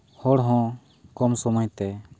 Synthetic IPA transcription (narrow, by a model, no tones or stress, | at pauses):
hɔɽɦɔ̃ | kɔmsɔmɔjt̪ɛ